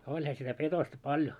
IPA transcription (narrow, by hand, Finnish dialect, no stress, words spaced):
olʲhɑ sitæ petostɑ pɑljo